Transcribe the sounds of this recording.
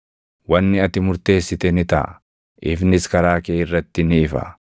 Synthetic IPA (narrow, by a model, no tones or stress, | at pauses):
wɐnːɪɐt̪ɪmʊɾt̪e̞ːsːɪt̪ɛnɪt̪ɐ̰ʔ | ʔɪfnɪskɐɾaːkeːɪrːɐt̪ːɪnɪːfɐ̰